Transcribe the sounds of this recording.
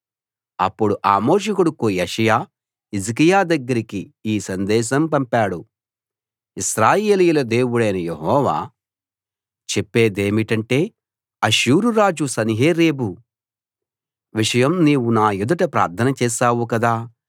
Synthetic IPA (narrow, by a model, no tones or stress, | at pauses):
ɐ̰pːuɽuʔa̰ːmoːʂ̬ɐkuɽukujeʂɐjaː | izik̬ijaːd̪ɐɡːɐɾikiiːsɐnd̪ɛːʃ̬ɐmpɐmpaːɽu | isɾaːje̞ːlijulɐd̪e̞ːwuɽɐjnɐjeɦɔːʋa̰ː | t͡ʃepːe̞ːd̪e̞ːmiʈɐɳʈe̞ː | ɐʃuːɾuɾaːd͡ʒusɐniɦeːɾeːbu | ʋiʂɐjɐmniːwunaːjud̪ɐʈɐpɾa̰ːɾt̪ʰɐnɐt͡ʃɛːsaːwukɐd̪aː